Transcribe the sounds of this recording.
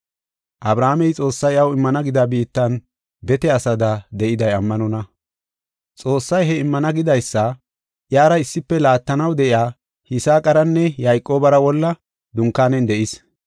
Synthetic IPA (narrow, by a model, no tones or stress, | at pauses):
ʔɐbɾaːmɛjt͡sʼo̞ːsːɐjɐwɪmːɐnɐɡɪd̪ɐbiːt̪ːɐn | bɛt̪ɛɐsɐd̪ɐd̪ɛʔɪd̪ɐjɐmːɐnɔnɐ | t͡sʼo̞ːsːɐjɦɛɪmːɐnɐɡɪd̪ɐjsːɐ | ʔjaːɾɐɪsːɪpːɛlaːt̪ːɐnɐwd̪ɛʔɪaː | hɪsaːkʼɐɾɐnːɛjajkʼo̞ːbɐɾɐwɔlːɐ | d̪ʊŋkːaːnɛnd̪ɛʔɪs